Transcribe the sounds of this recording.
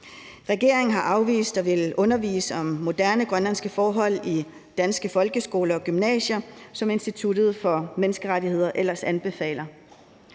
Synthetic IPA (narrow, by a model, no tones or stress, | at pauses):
ʁɛɡ̥e̝ɐ̰eŋ̩ɦɑ̈ʔɑ̈ʊʋḭːsd̥ɒʋe̝lʔɔ̽nɐʋḭːsəɒ̽mːo̝d̥æɐnəɡ̥ʁɶnlænsɡ̥əfɒːɦɒ̽l̰i | d̥ænsɡ̥əfɒ̽lɡ̥əsɡ̥o̝̰ːlɐɒ̽ɡ̥ymnɛ̰ːɕɐsɒ̽me̝nsd̥it͡sʰud̥ð̞̩ˠfɒ̽menəsɡ̥əʁaɾihe̝ð̞̰ˠɐʔelɐsænb̥e̝fɛ̰ːlɐ